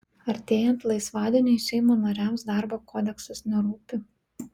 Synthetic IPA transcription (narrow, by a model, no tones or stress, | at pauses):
ɐɾʲt̪ʲeːjɛnt̪lˠɐɪsʋɑːd̪ʲɪnʲeɪʃʲɛɪmoːnɐɾʲæmsd̪ɑːˑɾboːkoːd̪ʲɛksɐsnʲɛɾuːpʲɪ